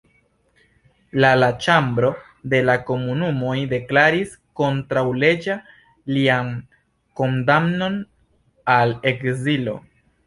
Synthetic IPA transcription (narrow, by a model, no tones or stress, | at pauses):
lalat͡ʃambɾo̞ | de̞lako̞munumo̞jde̞klaɾis | ko̞ntɾawle̞d͡ʒa | lian | ko̞ndamno̞n | ale̞kzilo̞̰